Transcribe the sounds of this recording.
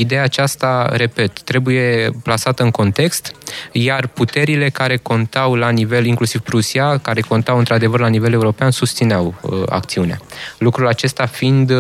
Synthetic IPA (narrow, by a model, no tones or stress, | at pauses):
id̪e̞jaːt͡ʃast̪aɾe̞pe̞t̪ːɾe̞buje̞plasat̪əɨŋko̞nt̪e̞kst̪jarput̪e̞ɾile̞kaɾe̞ko̞nt̪awlanive̞liŋklusivpɾusiakaɾe̞ko̞nt̪awɨnt̪ɾad̪e̞vərlanive̞le̞uɾo̞peansust̪sineawə̰a̰k̚t̪siunea̰lukɾulat͡ʃe̞st̪afind̪